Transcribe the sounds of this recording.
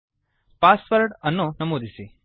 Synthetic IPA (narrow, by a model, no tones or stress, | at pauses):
pasʋəɾʈənːõnɐmod̪isi